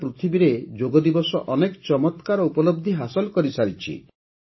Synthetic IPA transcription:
pɾut̪ʰibiɾed͡ʒoɡɔd̪ibɔsɔʔɔnekɔt͡ʃɔmɔt̪kaɾɔupɔlɔb̚d̪ʱiɦasɔlkɔɾisaɾit͡ʃʰḭ

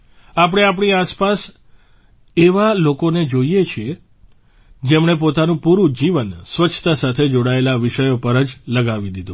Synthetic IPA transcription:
ap̬əɽ̃eap̬ɳiaspas | eʋalokoned͡ʒoijet͡ʃʰie | d͡ʒemɳ̃ep̬ot̪anũpuɾũd͡ʒiʋənsʋət͡ʃʰt̪asat̪ʰed͡ʒoɽaelaʋiʃəjopəɾəd͡ʒləɡaʋid̪id̪ũ

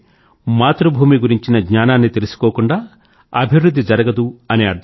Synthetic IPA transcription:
maːt̪ɾubʱuːmiɡuɾiɲt͡ʃinɐɡɲaːnaːnːit̪e̞lisu̥koːkuɳɖaː | ɐbʱiʋwɾud̪ʱːid͡ʒɐɾɐɡɐd̪uɐniɐɾd̪ʱ

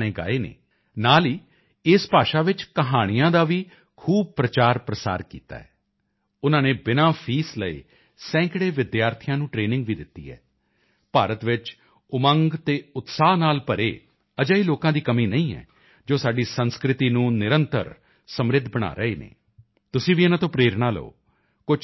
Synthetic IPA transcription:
neːɡa̰ːeːnḛː | naːliː | ɪspaːʃaːʋɪt͡ʃkəɦaːɽ̃ɪjãːd̪aːʋiː | kʰuːb̚pɾət͡ʃaːɾpɾəsa̰ːɾkḭːt̪a̰ːɛː | ʊnãːneːbɪnãːpʰiːsləḛː | sɛ̃ːkɽeːʋɪd̪jaːɾt̪ʰɪjãːnũːʈɾeːnɪ̃ŋɡʋiːd̪ɪt̪ːḭːɛ̰ː | paːɾət̪ʋɪt͡ʃ | ʊməŋɡt̪eːʊt̪saːɦnaːlpəɾeː | əd͡ʒəiːloːkãːd̪iːkəmiːnəĩːɛ̰ː | d͡ʒoːsaːɖiːsənskɾɪt̪iːnũːnɪɾənt̪ə̰ɾ | səmɾɪd̪ʱbəɽ̃a̰ːɾəḛːnḛː | t̪ʊsĩːʋiːɪnãːt̪õːpɾeːɾɳ̃aːlə̰o̰ː | kʊ

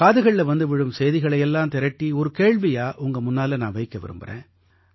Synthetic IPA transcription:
kaːðɯɣɐɭlɛʋɐnd̪ɯʋɪɻɯmsɛjðɪɣɐɭɐjɛlːaːmt̪ɛɾɐʈːiɔɾɯkeːɭʋijaːʔʊŋɡɐmʊnːaːlɐnaːnʋɐɪkːɐʋɪ̰ɾɯ̰mbɐ̰rḛ̃ː

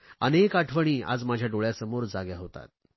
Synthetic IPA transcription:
ənekaʈʰʋəɽ̃iːa̰d͡zmad͡ʑʱjaɖoɭjasəmoɾd͡zaɡjaɦot̪a̰t̪̚

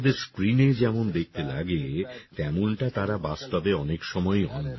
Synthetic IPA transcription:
d̪eɾskɾined͡ʑɛmond̪ek̚ʰt̪ela̰ɡet̪ɛmonʈat̪aɾabast̪abeɔnekʃɔmɔjɦɔ̰nna

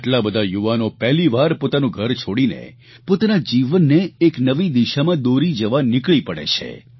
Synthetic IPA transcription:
aʈlabəd̪ʱajuʋanopɛɦliʋaɾpot̪anũɡʱəɾt͡ʃʰoɽinḛ | pot̪anad͡ʒiʋənːeːknəʋid̪iʃamãd̪oɾid͡ʒəʋanɪkɭipəɽḛt͡ʃʰḛ

